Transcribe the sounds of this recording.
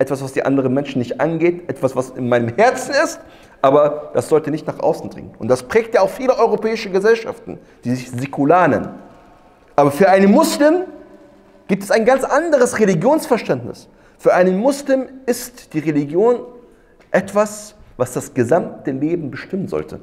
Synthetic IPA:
ʔɛtv̥asv̥asd̥iːʔa̰ndəʁ̞ənmɛnʃn̩nːɪçtʔa̰nɡeːtʔɛtv̥asv̥asɪnmaɪnəmhɛɐt͡sn̩ɪst | ʔaːbɐd̥asz̥ɔltənɪçtnaːχʔa̰ʊsn̩dʁɪ̰ŋənʊntd̥aspʁ̥ɛːk̚tjaaʊxfiːləʔɔʏʁopʰɛːɪʃəɡəzɛlʃa̰ftn̩ | d̥iːzɪçzekʰulaːnə̰n | ʔaːbɐfyːɐʔaɪnənmʊslɪm | ɡ̥iːp̚tɛsaɪnɡant͡sʔandəʁ̞əsʁeliɡjoːnsfɛɐʃtɛntnɪ̰s | fyːɐʔaɪnənmʊslɪmɪstd̥iːʁeliɡjoːn | ʔɛtv̥asvasd̥asɡ̥əzamtəleːbm̩bəʃtɪmənzɔ̰ltʰə̰

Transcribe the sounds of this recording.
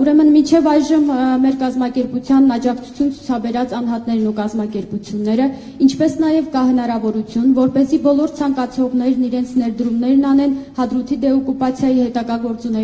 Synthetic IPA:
uɾɛmənmint͡ʃʰɛvɑjʒəmmɛɾkɑzmɑkɛɾput͡sʰjɑnːɑd͡ʒɑkʰt͡sʰu̥t͡sʰjunt͡sʰu̥t͡sʰɑbɛɾɑt͡sɑn̪ɦɑt̪nɛɾnukɑzmɑkɛɾput͡sʰjunːɛɾə | int͡ʃʰpɛsnɑjɛvkɑhən̪ɑɾɑvɔɾut͡sʰjunvɔɾpɛzibɔlɔɾt͡sʰɑŋkɑt͡sʰɔʁnɛɾniɾɛnt͡sʰnɛɾd̪əɾumnɛɾnɑnɛnhɑd̪ɾut̪ʰid̪ɛɔkːupɑt͡sʰjɑjihɛt̪ɑɡɑɡɔɾt͡sunɛ

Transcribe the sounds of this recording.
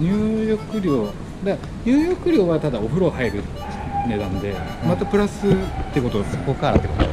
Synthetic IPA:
ɲɨːjo̞kɯ̟ɾʲo̞ː | d̪a | ɲ̟ɨːjo̞kɯ̟ɾʲo̞ːβat̪ad̪ao̞ɸɯ̟ɾo̞haiɾɯ̟ | ne̞d̪ãnd̪e̞mat̪apɯ̟ɾasɨt̪ːe̞ko̞t̪o̞βaso̥ko̞kaɾa̰t̪ːekot̪o̰

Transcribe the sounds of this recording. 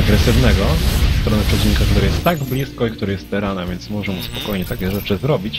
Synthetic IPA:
aɡɾɛsɘvnɛɡɔst̪ɾɔnɛpʂɛt͡ɕiɲkak̚t̪uɾɛjɛst̪ːaɡblʲiskɔik̚t̪uɾɘjɛst̪t̪ɛɾanavʲjɛnt̪smɔʐɛmuspɔ̥kɔjɲɛt̪akʲɛʐɛt͡ʂɘzɾɔbʲit͡ɕ

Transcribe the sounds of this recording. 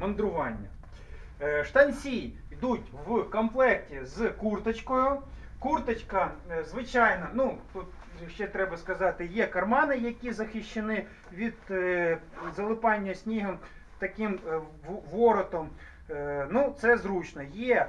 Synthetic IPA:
mɐnd̪ɾʊʋɑnʲːɐ | ʂt̪ɐnʲsʲij | jd̪utʲʋkɐmplˠɛrtʲizkurt̪ɐt͡ʃkɔjʊkurt̪ɐt͡ʃkɐzʋɪt͡ʃɑjnɐnut̪ut̪̚ | ʃt͡ʃɛt̪ɾɛbɐskɐzɑt̪ɪjɛkɐrmɑnɪjɐkʲizɐxʲɪʃt͡ʃːɪnɪ | ʋʲid̪̥̚ | zɐlˠɪpɑnʲːɐsʲnʲiɦɐm | t̪ɐkɪm | ʋɔɾɔt̪ɔm | nut̪sɛzɾut͡ʃnɔjɛ

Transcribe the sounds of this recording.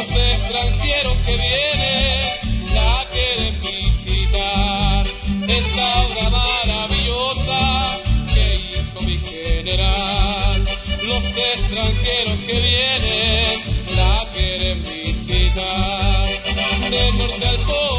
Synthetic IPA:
sest̪ɾaŋxeɾoske̞βjene | lakeɾepisit̪aɾest̪awɣamaɾaβiʎosa | enkomixene̞ɾallo̞sest̪ɾaŋxe̞ɾo̞ske̞βje̞ne | lakeɾepwisit̪aɾd̪enoɾt̪alt̪o

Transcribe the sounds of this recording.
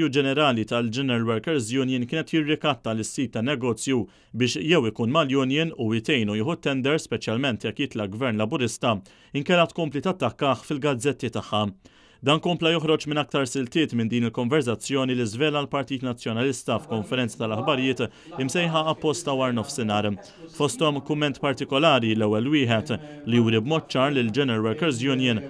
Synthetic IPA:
jud͡ʒɛnɛɾɐːlit̪ɐld͡ʒɛnɛɾɐlwɛɾkɛɾzjʊnjɪnkɪːnɛt̪jɪrːɪkɐt̪ːɐlɪsːiːt̪ːɐnːɛɡɔːt͡sju | bɪːʃjɛwɪkuːnmɐljʊnjɪnujɪt̪ɛjnujɪːħut̪ːɛnd̪ɛɾspɛt͡ʃjɐlmɛnt̪jɛkːjɪt̪lɐɡvɛɾnlɐbʊɾɪst̪ɐ | ɪŋkɛlːɐt̪kɔmplit̪ɐt̪ːɐkːɐːħfɪlɡɐd͡zːɛt̪ːit̪ɐħːɐ | d̪ɐːnkɔmplɐjɔħɾɔt͡ʃmɪnɐk̚t̪ɐɾsɪlt̪ɪːt̪mɪnd̪iːnɪlkɔɱvɛɾs̬ɐt͡sːjɔːnilɪzvɛːlɐlpɐɾt̪iːt̪nɐt͡sːjɔnɐlɪst̪ɐfkɔɱfɛɾɛnt͡sɐ̥t̪ɐlɐħbɐɾjɪːt̪ | ɪmsɛjħɐːpːɔst̪ɐwɐːɾnɔfsɪnɐːɾ | fɔst̪ɔmkʊmːɛnt̪pɐɾt̪ɪkɔlɐːɾilɛwːɛlwɪːħɛt̪lijuːɾibmɔːt̪̚ːt͡ʃɐːɾlɪld͡ʒɛnɛɾɐɾwɛɾkɛɾzjʊnjɐn

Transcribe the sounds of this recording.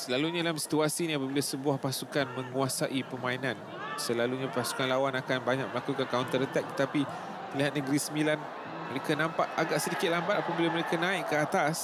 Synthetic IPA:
səlaluɲalahmsi̥t̪uasinĩapabilasəbuwahpasukanmə̃ŋuasaʔipəmãinãn | səlaluɲãpasu̥kanlawanakanbaɲak̚məlakukankaʊnt̪əɾət̪ɛk̚t̪ə̥t̪api | məliɦat̪̚nəɡəɾisəmilan | məɾekanãmpaʔaɡaʔsədikɪt̪̚lambat̪̚apabilaməɾekanãiʔkəat̪as

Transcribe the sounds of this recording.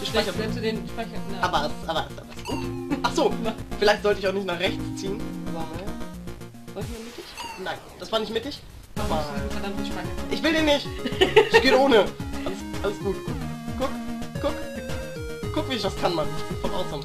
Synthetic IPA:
d̥uʃpɛçɐsɛdenʃpʁaçɐaːbɐasʔaːbɐ̥a̰bɪsɡ̥uːtʔaχz̥oːfɪlaɪçtzɔltəɪçaʊχnɪçtnaːχʁɛçt͡st͡siːəna | zɔltimɪtd̥ɪçnaɪnd̥asv̥aːɐnɪçtmɪt̚d̥ɪç | ʔaːbɐkʰandanɪʃpʁ̥açɐʔɪçv̥ɪldeːnɪçtɪçɡ̥eːoːnəʔaləsʔaləsɡ̥uːtɡ̥ʊkɡ̥ʊk | kʰʊkviɪçvaskʰanmaːɡuːtfɔnʔa̰ʊtsan

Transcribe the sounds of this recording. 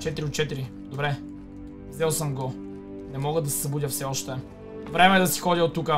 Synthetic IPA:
t͡ʃɛt̪iɾiot̪̚t͡ʃɛt̪iɾi | d̪obɾɛ | vzɛlˠsəmɡo | nɛmɔɡəd̪ɐsɛ̥zɐbud̪ʲəfsɛɔʃt̪ɛ | vɾɛmɛːd̪ɐsi̥xɔdʲəot̪ːukə

